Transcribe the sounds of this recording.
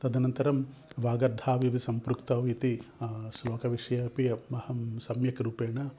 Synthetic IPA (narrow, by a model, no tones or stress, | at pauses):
t̪ɐd̪ʱinɐnt̪ɐɾɐm | ʋaːɡɐɾd̪ʱaːʋiʋisɐmpɾukt̪ɐʋit̪iʃloːkɐʋiʂɐjɐpiɐmɐhɐmsɐmjɐkɾupeːɳɐ